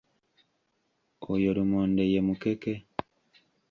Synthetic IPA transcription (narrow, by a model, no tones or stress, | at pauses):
ojolumoːndejemukeke